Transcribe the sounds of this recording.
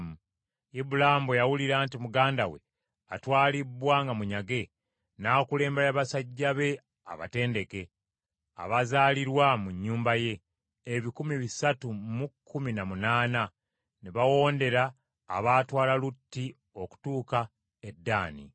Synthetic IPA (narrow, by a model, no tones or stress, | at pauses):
mu | ibulambojawuliɾaːntimuɡaːndawe̞̰ | atwaːlibwaŋɡamuɲaɡe̞ | nakule̞ːmbeajaβasaɟːaβe̞ | a̰βa̰te̞ːnde̞ke̞ | a̰βazaːliɾwamuɲːuːmbaje̞ː | βikumiβisatumukʰːuminamunaːna | neβawo̞ːnde̞ɾaː | βaːtwaːlalutːi | o̞ku̥tuːka | edːaːnḭ